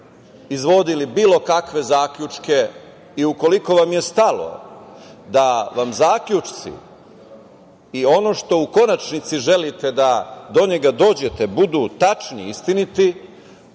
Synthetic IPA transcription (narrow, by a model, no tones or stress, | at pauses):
izʋo̞d̪ilibiːlˠo̞kakʋe̞zaːkʎut͡ʂke̞ | iuko̞liko̞ʋamje̞st̪alo̞̰ | d̪aʋamzaːkʎut͡ʃt̪sḭ | io̞no̞ʃt̪o̞uko̞nat͡ʃnit̪siʒe̞lit̪e̞d̪ad̪o̞ɲe̞ɡad̪o̞ːd͡ʑe̞t̪e̞bud̪ut̪at͡ʃnḭist̪init̪i